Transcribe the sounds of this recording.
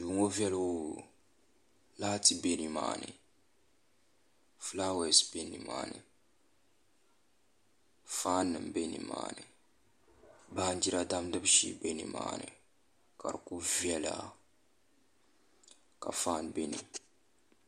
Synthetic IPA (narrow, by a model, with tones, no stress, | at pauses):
du˨˦ŋo˦vɛ˦lwu˦˨ | laː˦ti˦be˦ni˨ma̰ː˨nɨ̰˨ | fla˦wɛ˨sbe˦ni˨ma̰ː˦˨nɨ˨ | faː˦nːɨ˨mbe˦nḭ˨ma̰ː˨nɨ˨ | ba˦n˦d͡ʒi˦ɾa˦da˦mdɨ˦bʃḭ˦be˦ni˨ma̰ː˨nɨ̰˨ | ka̰˨ɾku˦vjɛ˦la̰˦˨ | ka̰˨faː˦nbe˦nḭ˨